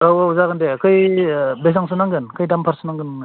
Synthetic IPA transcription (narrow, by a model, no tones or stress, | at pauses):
ɾawauzaɡɯndekʰɯjbes̬aŋsɯnaŋɡɯnkʰɯjdampʰaɾsɯnaŋɡɯn